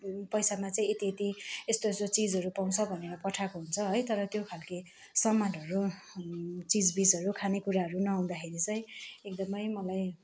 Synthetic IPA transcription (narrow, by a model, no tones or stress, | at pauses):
pʌjsamat͡saĩet̪iet̪iest̪oest̪ot͡sid͡zɦʌɾupaw̃t͡sʰʌbʱʌneɾʌpʌʈʰakoɦunt͡sʰʌɦʌjt̪ʌɾʌt̪jokʰalke | sʌmanɦʌɾu | t͡sid͡zbid͡zʌɾukʰanekuɾaɦʌɾunʌaw̃d̪akʰeɾit͡sʌĩekd̪ʌmʌjmʌlaj